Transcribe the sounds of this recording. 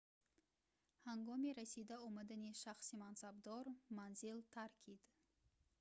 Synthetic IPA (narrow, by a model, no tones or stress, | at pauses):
haŋɡɔmiɾasid̪aɔmad̪aniʃaχsimansabd̪ɔɾmanzilt̪ʰaɾkʲʰid̪̥